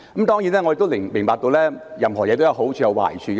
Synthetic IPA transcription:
ɐ˨˦mt̪ɔː˥ŋji˨˥nɛː˥ŋɔ˧e˧t̪o˥mɪ˨˩mɪ˨˩ŋpaː˧k̚t̪o˧wlɛː˥jɐ˨˧mhɔː˨˩jɛː˨˧t̪o˥jɐ˧wɦo˨˥wt͡ʃʰyː˧jɐ˨˧wa̰ː˨˩jt͡ʃʰyː˨˧kː

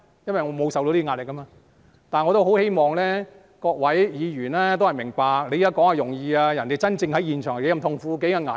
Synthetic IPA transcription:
jɐ˥nwɐ˨˩jŋɔː˨˧mo˨˧wsɐ˨wt̪o˧liː˥˧ŋaː˧t̚lɪ˨kːɐ˥maː˧ | t̪aː˨nŋɔː˨˧t̪o˥who˨˥whe˥jmɔː˨˩ŋlɛː˥ | kɔː˧k̚wɐ˨˥jjiː˨˧jyː˨˩nɛː˥t̪o˥whɐ˨jmɪ˨˩ŋpaː˧k̚le˨˧ja˥kɔː˨˥ŋaː˨˧jʊ˨˩ŋjiː˧aː˧jɐ˨˩nt̪e˨˩jt͡sɐ˥nt͡sɪ˧ŋhɐ˨˥jiː˨˩nt͡ʃʰœ˨˩ŋ˨˩ke˨˥jɐ˧mt̪ʰʊ˧ŋfuː˧k̬e˨˥jka˧ŋaː˨˩

